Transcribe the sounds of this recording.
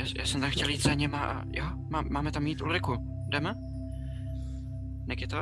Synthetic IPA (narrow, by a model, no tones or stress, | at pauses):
jaːjʔa̰ːsɛmt̪amxcɛljiːt̪saɲɛmaʔa̰jo | maːmːaːmɛt̪amjiːt̪ʔulɾɪku | dɛm | nɛkɪt̪o